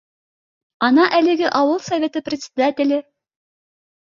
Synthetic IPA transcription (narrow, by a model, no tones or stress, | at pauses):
ɑnɑʔælɘ̆ɡɘʔɑwɤlˠsɐvʲet̪ɤprʲɪt̪ʲsʲɪd̪atʲɪlʲɘ